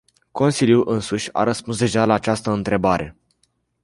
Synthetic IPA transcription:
ko̞nsilʲjuʔɨnsuʃʲa̰ɾəspunsd̪e̞ʒalaːt͡ʃast̪əɨnt̪ɾe̞baɾʔe̞

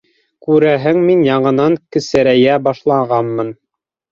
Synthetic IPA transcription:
kʉɾæɦɘŋminjɑɴɤ̆nɑŋkɘ̆sæɾæjæbɑʃlˠɑʁɑnmɤn

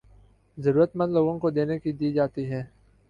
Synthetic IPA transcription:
zɐɾuːɾət̪mə̃nd̪loːɡõkod̪eːnekid̪iːd͡ʒaːt̪iɦɛ̃ː

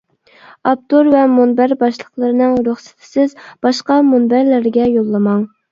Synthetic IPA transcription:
ɑp̚t̪oɾvɛmonbæɾbɑʃlˠəχlˠəɾɨnɨŋɾoχsɪ̥t̪ʰɪ̥sɪzb̥ɑʃqɑmonbæɾlæɾɡʲɛjolˠːɨmɑŋ

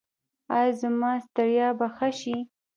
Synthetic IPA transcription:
ɑjzəmɑst̪aɾjɑbaxaʃi

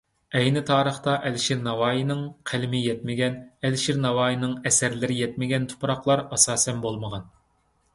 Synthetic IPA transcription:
ɛjnɪt̪ʰɑːɾəχt̪ɑʔɛlʃiɾnɑwɑːjinɨŋqʰælɪmɪjɛt̪̚mɪɡʲɛnɛlʃiɾnɑwɑːjinɨŋɛsɛɾlɪɾɪjɛt̪̚mɪɡʲɛnt̪ʰu̥pɾɑqlˠɑɾɑsɑːsɛnbolˠməʁɑn

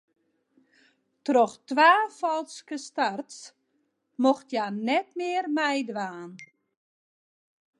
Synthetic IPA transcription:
trɔxtʋaːfɔlˠskəstarts | moxtjanɛtmɪərmɛjdʋaːn

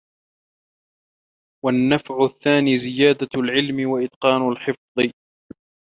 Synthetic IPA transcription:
wanːafʕʊθːaːniːzɪjaːd̪alʕɪlmɪwaʔɪd̪qɑːnʊlħɪfðˤɨ

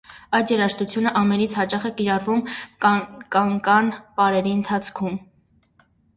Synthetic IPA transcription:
ɑjt̪jɛɾɑʃt̪ut͡sʰjunəʔɑmɛnit͡sʰhɑt͡ʃɑχɛkiɾɑɾvum | kɑŋkɑnpɑɾɛɾiənt̪ʰɑt͡sʰkʰum

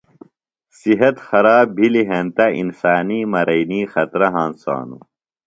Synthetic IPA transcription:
siɦɐt̪xɐɾaːbbʱiliɦent̪ɐḭnsaːniːmɐɾɐjniːxɐt̪ɾɐɦãːnsa̰ːnu

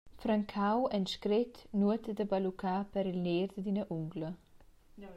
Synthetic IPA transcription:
fɾaŋkʰawɛnʃkɾɪt̪nuət̪d̪əbalukʰapɛɾilneːɾd̪əd̪inəʔuŋɡlə

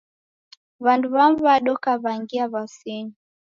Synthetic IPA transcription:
βanduβamvaɗɔkaβaŋɡiaβasiɲi

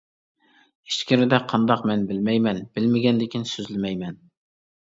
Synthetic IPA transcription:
iʃt͡ʃkʲiɾɪd̪ɛqʰɑnd̪ɑqmɛnbɪlmɛjmɛnb̥ɪlmɪɡʲɛnd̪ɪkʲinsyzlɪmɛjmɛn

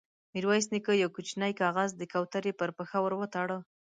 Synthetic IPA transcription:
miɾwɑjs̬nikəjawkut͡ʃnajkɑɣazd̪əkawt̪aɾepəɾpəxawəɾwət̪ɑɽə

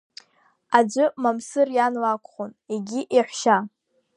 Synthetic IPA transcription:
ad͡ʒʷɨmamsɨrjanlakʷʰʼχoneɡʲiʔiħʷʃa

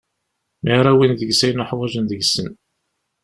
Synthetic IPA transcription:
miɾˤæwinðəɡsæjnʊħwæʒənðəɡsən

